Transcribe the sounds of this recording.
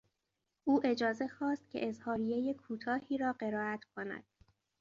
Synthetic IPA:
ʔuːʔe̞d͡ʒɒːze̞xɒːst̪̚cʲʰe̞̰ʔezhɒːɾijejekʰuːt̪ʰɒːhiːɾɒːɢe̞ɾɒːæt̪ʰkʰo̞næ̰d̪̥

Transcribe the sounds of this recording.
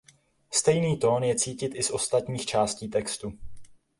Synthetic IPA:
st̪ɛjniːt̪o̞ːnjɛt͡siːcɪt̪ʔɪsʔo̞st̪at̪ɲiːxt͡ʃaːsciːt̪ɛkst̪u

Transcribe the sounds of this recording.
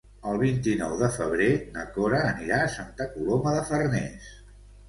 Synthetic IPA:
əlˠβint̪inɔwðəfəβ̞ɾenəkoɾəːniɾaəsant̪akuloməðəfərnɛ̰s

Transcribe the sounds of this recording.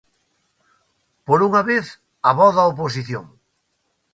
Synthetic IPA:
poɾuŋaβeθ | ɐβɔðaop̬os̬iθjo̰ŋ

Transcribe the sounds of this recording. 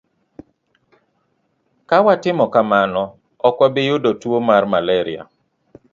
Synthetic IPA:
kawatɪmɔkamanɔ | ɔkwɔbɪjʊdotwomarmalɛɾɪa̰

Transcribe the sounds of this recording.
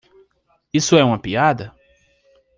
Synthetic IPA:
isʊɛũmɐpiad̪ɐ

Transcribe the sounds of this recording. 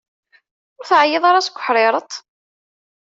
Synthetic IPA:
ʊɾθʕajɪðˤɑɾˤasɡʷə̥ħɾˤeɾˤət̪ˤ

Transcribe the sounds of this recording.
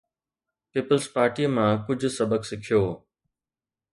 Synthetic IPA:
piːpəlzpaːɾʈimãːkʊd͡ʑʱʊsɐbəksɪkʰijoː

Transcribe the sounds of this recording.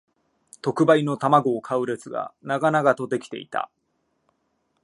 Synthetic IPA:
t̪o̞kɯ̟baino̞t̪amaɡo̞ːkʰaɯ̟ɾe̞t͡sɨɡa̰naɡanaɡat̪o̞d̪e̞kʲi̥t̪e̞̰ḭt̪ʰa̰

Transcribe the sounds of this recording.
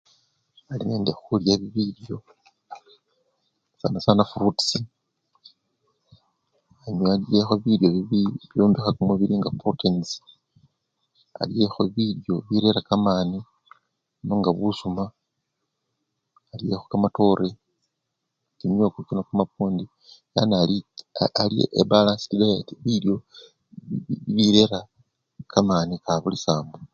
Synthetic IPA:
alineːndexuljaβiβiɾjo̞ | sa̰nasanafrutsi | aɲalie̞xoβiɾjo̞βiβiβjoːmbixakumuβiɾiŋɡaprotʰensi̥ | a̰lje̞xo̞βiljo̞βiɾe̞ɾakamaːni | moŋɡaβusuma | lie̞xokamato̞ɾe | kimjokukinakumapuːndi | ja̰nalialiḛʔebalaːnsi̥tiɡalatiβiljo̞ | βiɾe̞ɾa | kamanikaβulisaːmbo

